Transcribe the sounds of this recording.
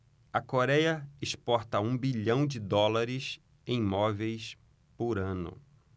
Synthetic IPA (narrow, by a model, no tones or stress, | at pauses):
ɐkoɾɛjɐɪʃpɔɾt̪ɐũbiʎɐ̃w̃d͡ʒɪd̪ɔlaɾɪs | ẽj̃mɔvejs | poɾɐ̃nʊ̰